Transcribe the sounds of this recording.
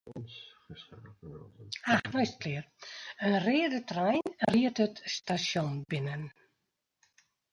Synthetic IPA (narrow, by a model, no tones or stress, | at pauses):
axnɔjstklɪərənrɪːdətrɛjnriətətstasjɔnbɪnən